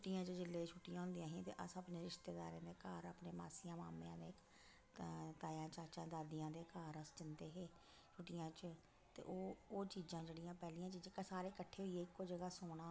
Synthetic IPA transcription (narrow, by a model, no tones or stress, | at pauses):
t͡ʃʊʈːijãːt͡ʃd͡ʒɪlːeːt͡ʃʰʊʈːijãːɦʊ̃nd̪ijãːɦĩːt̪ḛːʔəsəpneːɾɪʃt̪eːd̪a̰ːɾẽːd̪eːkaːɾaːpneːma̰ːsijãːmaːmeãːd̪eːk | t̪aːjãːt͡ʃaːt͡ʃãːd̪aːd̪ɪjãːd̪eːkaːɾəst͡ʃənd̪eːɦeː | t͡ʃʰʊʈːijãːt͡ʃ | t̪ḛːʔoːoːt͡ʃiːd͡ʒãːd͡ʒeːɽijãːpɛːliːãːt͡ʃid͡ʒkasaːɾeːkəʈʰːeːɦʊiːeːɪkːoːd͡ʒəɡaːsoːɽaː